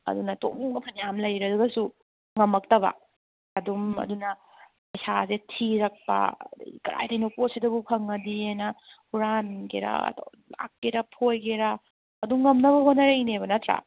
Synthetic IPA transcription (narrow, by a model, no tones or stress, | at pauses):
ɐ̰dunɐto̰ŋmɐpʰɐnjamlɐjɾɐduɡɐsu | ŋɐmɐk̚tɐbɐ̰ː | dumɐ̰dunɐ | ɐjsazetʰiɾɐk̚pɐ̰d̰ikɐɾa̰jdɐjnoposidɐbukʰɐŋɐdiajnɐhuɾanɡeɾa̰ɐ̰do̰w | la̰kːeɾɐpʰojɡeɾɐː | duŋːɐmnɐβɐɦonːɐɾejneβɐnɐtɾa̰